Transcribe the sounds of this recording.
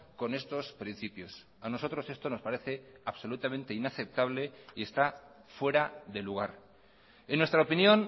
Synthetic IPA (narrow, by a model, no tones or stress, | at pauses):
ko̞ne̞st̪o̞spɾin̟θipjo̞s | ano̞so̞t̪ɾo̞se̞st̪o̞no̞spaɾe̞θe̞aβso̞lut̪amẽnt̪e̞inaθe̞p̚t̪aβ̞le̞ie̞st̪afwe̞ɾaðe̞luɣ̞aɾ | enːwest̪ɾaopinjo̞n